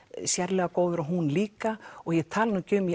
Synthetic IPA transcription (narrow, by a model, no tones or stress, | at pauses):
sjɛɾlɛːɣakoːwðʏɾaɦunliːkaɔɣjɛ̥t̪ʰaːlnʏcʏmj